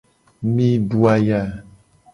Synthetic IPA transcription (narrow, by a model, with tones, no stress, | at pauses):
mĩ˦ɖu˦a˦ja˦˨